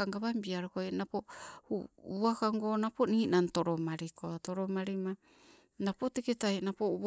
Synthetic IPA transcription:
aŋɡaβambiaɾokojnapohuuakaŋɡo̞napo̞niːnantoɾomaɾikoatoɾomaɾima | napo̞teketajnapo

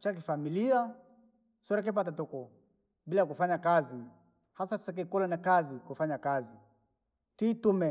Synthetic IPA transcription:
t͡ʃak̬ifamilia | sɔɾak̬ɛp̬at̬atɔkɔ | bilakufaɲakazi | hasasɛk̬ɛkɔlanakazikufaɲakazi | titumɛ

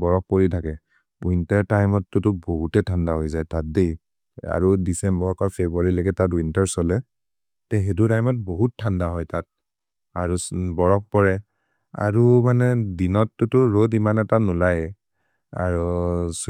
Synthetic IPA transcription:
bɔɹɔk̚poɹitʰakɛ | wintaɹtajmɔtːʊtʊboɦutɛtʰandaɦojzajtat̚dej | a̰ɹudisɛmbɔɹɔkɔɹpʰebuaɹilɔɡɛtat̬wintaɹsɔlɛ | tɛɦedutajmɔt̚boɦut̚tʰːandaɦɔjtat̚ | aɹubɔɹɔk̚pɔɹɛ | a̰ɹumanɛdinɔtːʊtʊɹodimanɛtanulajɛ | a̰ɹus

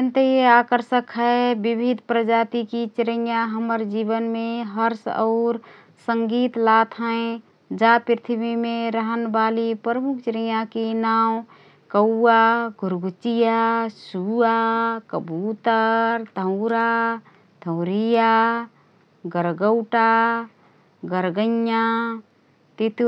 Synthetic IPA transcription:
ent̪eakəɾsəkɦɛebibʱid̪ʱpɾəd͡ʒat̪ikit͡ʃɾəjaɦəməɾd͡ʒibənmeɦəɾsɔ̰ʊɾ | səŋɡit̪lat̪ʰɦə̃ẽ | d͡ʒapɾit̪ʰibimeɾəɦənbalipɾəmukʰt͡ʃɾəjakinam | kəwaɡʱuɾɡut͡ʃijasuakəbut̪əɾd̪ʱəʊɾa | t̪əʊɾija | ɡəɾɡəʊʈa | ɡəɾɡə̃jja | t̪it̪

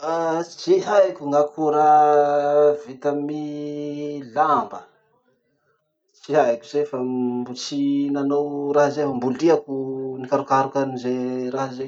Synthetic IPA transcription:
at͡ʃiɦajkʲuŋakʰuɾa | vit̪əmi | lambə | t͡ʃiɦajkʲuz̥efabut͡sinanowraɦzefambuliakunikaɾukaɾukanizeraɦaze

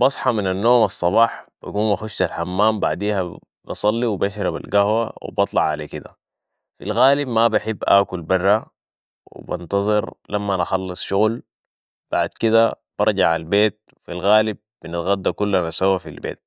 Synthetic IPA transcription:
bɑsˤħɑminanːoːmɑsˤːɑbɑːħb̥a̰ɡuːmbaxʊʃt̪alħamːaːmbaʕd̪iːha | b̥ɑsˤɑlːiwbaʃɾɑba̰lɡahwa̰wḭbɑt̪ˤlɑʕʕalakid̪a̰ | fḭlɣaːlibmabaħɪbːʔa̰ːkulbɑrːa | wḭbɑ̰nt̪ɑzˤɨɾlamːanɑxɑlːɨsˤʃuɣl | b̥aʕd̪kid̪a | b̥ɑɾˤd͡ʒɑʕalbeːt̪̚ | filɣaːlib̚ːinɪt̪ɣad̪ːakulːanasawafilbḛːt̪̚

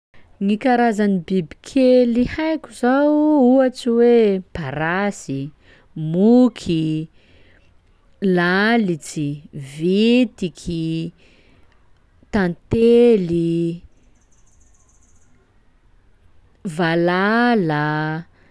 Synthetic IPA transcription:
ŋikaɾazanibibikʰelihajkʲuzawuat͡siwepaɾasi | mukʰi | lalit͡sivit̪ikʰi | t̪ant̪eli | valala

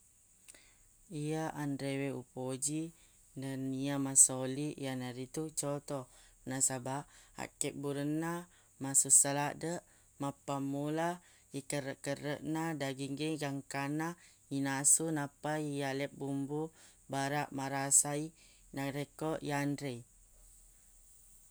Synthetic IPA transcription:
ijaʔandɾeweupod͡ʒi | nəniamasoliʔjanaɾit̪ut͡ʃɔt̪ɔnasabaʔa̰kɛʔ̚buɾənːa | masusalaʔdəʔ | mapamula | ikəɾəʔkəɾəʔnadaɡiŋɡeɡaŋkana | inasunapajalɛp̚bumbubaɾaʔmaɾasai | naɾekɔʔjandɾe

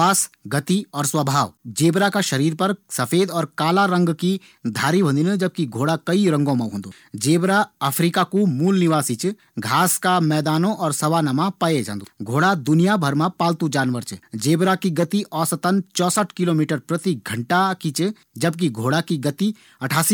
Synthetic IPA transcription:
aːsɡɐt̪iɔːɾswɐbʱaːʋd͡ʒeːbɾakaʃɐɾiːɾpɐɾsɐpʰeːd̪ɔːɾkaːlaɾɐ̃ŋɡki | d̪ʱaːɾibʱɐ̃nd̪inəd͡ʒɐb̚kiɡʱoːɽakɐiɾɐ̃ŋɡõmɐ̃ɦõːnd̪o | d͡ʒeːbɾaəpʰɾiːkakumuːlnɪʋaːsit͡ʃ | ɡʱaːskamɛːd̪aːnõʔɔːɾsɐʋanɐmapaed͡ʒã̰ːnd̪oɡʱoːɽad̪ʊnijabʱɐɾmãpaːlt̪ud͡ʒaːnʋəɾt͡ʃd͡ʒeːbɾakiɡɐt̪iʔɔːsət̪ənt͡ʃɔːsəʈʰkɪloːmiːʈəɾpɾɐt̪iɡʱɐ̃ɳʈakit͡ʃ | d͡ʒɐb̚k̬iɡʱoːɽakiɡɐt̪i | ɐʈʰaːsi

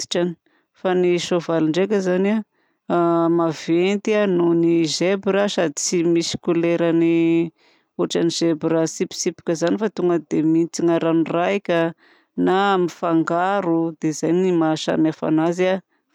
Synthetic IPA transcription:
i̥ʈ͡ʂani̥ | faniʃovaliɳɖ͡ʐek̬ʲəzana | mavent̪ianunizebɾasad̪it͡simisi̥kuleɾani | uʈ͡ʂaniz̥ebɾəsipi̥sipi̥kʲəzanifat̪uŋɡəd̪emit͡siŋaɾanurajkʲə | namifaŋɡaɾud̪ezajnimaʃa̰miafa̰naza

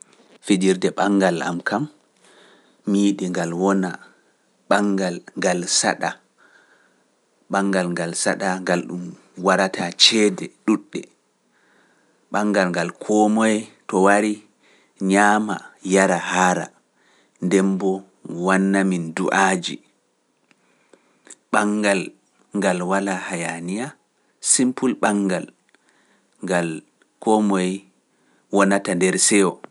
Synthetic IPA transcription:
fid͡ʒiɾdɛɓaŋɡala̰mkʰam | iːɗiŋɡalwɔna | ɓaŋɡalŋɡalsa̰ɗa | ɓaŋɡalŋɡalsaɗaŋɡalɗum | waɾatat͡ʃɛːdɛɗuɗːɛ | ɓaŋɡalŋɡalkʰɔmɔjɛtɔwaɾi | ɲaːmajaɾahaɾa̰ | ndɛmbɔ | wanːaminduʔad͡ʒḭ | ɓaŋɡal | ŋɡalwalahajanija | simpulɓaŋɡal | ŋɡal | kɔmɔj | wɔnatandɛɾsɛwɔ

